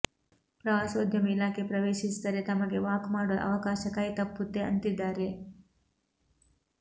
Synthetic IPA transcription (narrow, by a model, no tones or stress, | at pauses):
pɾɐʋaːsoːd̪ʱjɐmilaːkʰepɾɐʋeːʃisd̪ɐɾe̞t̪ɐmɐɡe̞ʋaːkmaːɽoʔɐ̰ʋɐkaːʃɐkɐjt̪ɐpːut̪ːeɐ̰nt̪id̪ːaːɾe̞